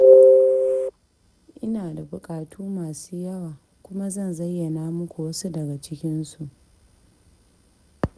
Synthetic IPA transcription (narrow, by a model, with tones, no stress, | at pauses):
ʔɪ˦naː˨da˨bʊ˨kʼaː˨tʰuː˦maː˨suː˦jɐ˦waː˨ | kʷʊ˦ma˦zɐ˦˨nzɐ˦jːɐ˨naː˦mʊ˦kʷu˨wɐ˦su˦dɐ˨ɡa˨t͡ʃɪ˦kʲɪ˦nsu˨ʔ